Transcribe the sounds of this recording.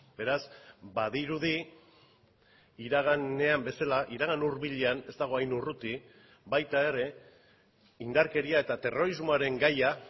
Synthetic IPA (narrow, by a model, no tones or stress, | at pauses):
be̞ɾasbaðiɾuð̞i | ɾaɣ̞ane̞ambe̞salaʔiɾaɣ̞anuɾβiʎe̞ane̞st̪aɣo̞ajnurut̪i | bajt̪ae̞ɾe̞ | ind̪aɾke̞ɾiae̞t̪at̪e̞ro̞ɾizmoaɾe̞ŋɡaja